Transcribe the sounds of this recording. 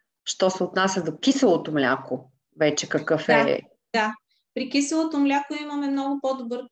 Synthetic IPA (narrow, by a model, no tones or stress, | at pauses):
ʃt̪ɔsɛʊt̪nasʲɐd̪okisɐlˠot̪omlʲako | vɛt͡ʃɛkɐkɤfɛ̰ | d̪a | pɾikisɐlˠot̪omlʲakoiməmɛmnɔɡʊpod̪ʊbɤɾ